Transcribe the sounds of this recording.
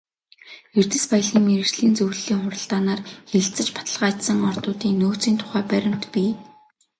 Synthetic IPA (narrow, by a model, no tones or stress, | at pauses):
ert̪ɘ̆spaj̆ɮiːŋmeɾɘ̆ɮiːnt͡sɵw̆ɮiːŋχʊɾə̆ɬt̪aːnaːrxeɬt͡sɘ̆t͡ɕpḁt̪ə̆ɮʁaːt͡ɕ̪sə̆ŋɔrt̪ʊːt̪iːŋnoːt͡siːnt̪ʰʊ̥χæːpæɾʲɪ̆m̥t̪pʲiː